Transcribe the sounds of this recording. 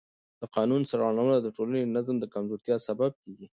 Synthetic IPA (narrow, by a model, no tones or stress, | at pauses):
d̪̥əqɑnunsaɾɑlawəlad̪əʈolaned̪ənazmd̪əkamzoɾt̪jɑsabab̚keɡi